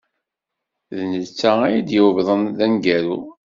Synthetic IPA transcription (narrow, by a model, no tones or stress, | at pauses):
ðnət͡sːææjid̪jəwəvðˤənðænɡæɾu